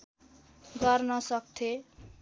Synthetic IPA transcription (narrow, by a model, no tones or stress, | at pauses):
ɡʌrnʌsʌk̚t̪ʰe